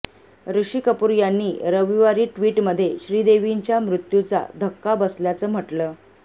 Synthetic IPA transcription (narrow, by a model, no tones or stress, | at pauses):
ɾuɕiːkəpuɾjanːiːɾəʋiʋaɾiːʈʋiːʈməd̪ʱːjeɕɾiːd̪eʋiɲt͡ɕjamɾut̪jut͡sa̰d̪ʱəkːabəsljat͡səːm̤əʈləː